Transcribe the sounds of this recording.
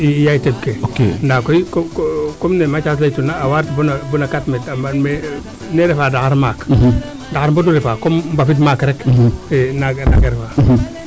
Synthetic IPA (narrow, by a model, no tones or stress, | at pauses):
ijajteb̚keokḛndakojkkkomnemat͡ʃas̬lajtunaːwaɾtbunabunakatmemame | neɾefaːdaaɾmak | daaɾmboduɾɛfakombafit̬makɾɛkenaɡna̰ɡeɾfaɦ